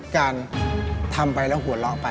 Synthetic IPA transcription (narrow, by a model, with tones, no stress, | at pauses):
kaː˧nt̪ʰa˧mpa˧jlɛː˦˥˩wɦu˩˦əlɔ˦˥ʔpa˧